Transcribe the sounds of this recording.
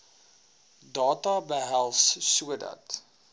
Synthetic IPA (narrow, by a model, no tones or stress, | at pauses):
dɑːtɐbəɦælˠssuədɐ̰t